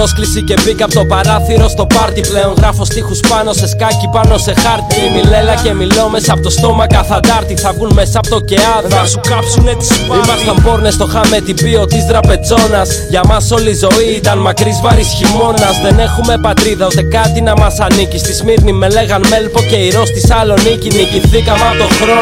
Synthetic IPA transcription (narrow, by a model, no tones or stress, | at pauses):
osklisice̞bikɐpot̪o̞pɐɾɐθiɾo̞st̪o̞pɐɾt̪iple̞o̞ŋɣɾɐfo̞st̪ixuspɐno̞se̞skɐcipɐno̞se̞xɐɾt̪iimile̞lɐce̞mileome̞sɐpot̪ost̪o̞mɐkɐθɐd̪ɐɾt̪iθɐvɣunme̞sɐːpot̪o̞ce̞ɐðsukɐpsuneimɐst̪ɐmpo̞ɾne̞st̪oxɐme̞t̪ibio̞t̪izt̪ɾɐpe̞t͡so̞nɐs | ʝɐmɐso̞lizo̞iit̪ɐnmɐkɾizmɐɾisçimo̞nɐzðe̞ne̞xume̞pɐt̪ɾiðɐost̪ekɐt̪inɐmɐsɐnicist̪izmiɾnime̞le̞ɣɐnme̞lpo̞ce̞iɾo̞st̪isɐlo̞niciniciθikɐmɐt̪oxɾo